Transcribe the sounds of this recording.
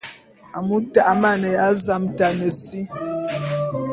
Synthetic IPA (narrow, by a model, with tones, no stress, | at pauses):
a˨mu˦ta˦˨ʔma˦˨nə˨a˦za˦mta˨nə˨si˦